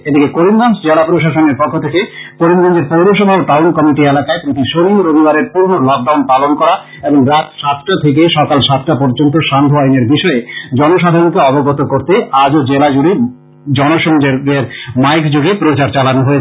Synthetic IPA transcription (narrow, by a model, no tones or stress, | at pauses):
ed̪ikekoɾimɡansd͡ʑelapɾoʃaʃoneɾpɔkʰːot̪ʰekekoɾimɡɔnd͡ʑeɾpowɾoʃ̬ɔbʱaoʈawnkɔmiʈielakaepɾot̪ʰiʃoliuɾobʱibaɾeɾpuɾnolɔk̚ɖawnpalonkɔɾa | eboŋɾat̪ʃat̪ʈat̪ʰek̬eʃɔkalʃat̪̚ʈapɔɾd͡ʑont̪̬oʃand̪ʱoajneɾbiʃɔed͡ʑɔnoʃad̪ʱaɾõkeɔboɡɔt̪okoɾt̪ead͡ʑod͡ʑelad͡ʑuɽi | d͡ʑɔnoʃoŋd͡ʑeɾd̪eɾmajkd͡ʑoɡepɾot͡ɕaɾt͡ɕalanoɦoe